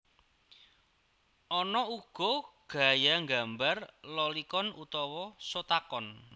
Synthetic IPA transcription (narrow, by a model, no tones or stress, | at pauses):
ʔɔnɔuɡ̥ɔ̤ɡ̥a̤jaŋɡambarlɔlikɔnut̪ɔwɔsot̪akɔn